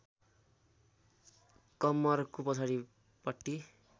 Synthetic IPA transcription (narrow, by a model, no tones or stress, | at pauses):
kʌmːʌrkopʌt͡sʰaɾi | pʌʈːi